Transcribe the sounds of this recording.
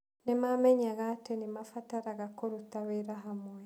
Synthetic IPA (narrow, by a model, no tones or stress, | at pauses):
nɛmamɛɲaɣatenimafataɾaɣakoɾut̪aweɾaɦamwɛ